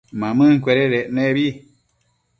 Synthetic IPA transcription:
mãmɨ̃ŋkʷeɾeɾeʔnẽβi

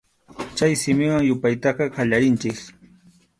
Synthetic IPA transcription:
t͡ʃajsɪmɪwaŋjʊpajt̪ɑqɑqɑʎaɾɪnt͡ʃɪk

